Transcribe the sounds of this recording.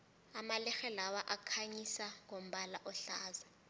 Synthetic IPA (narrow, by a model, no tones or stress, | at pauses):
amalɛxɛlawaʔakʰaɲisaŋʱom̩ɓalaʔɔɬaːza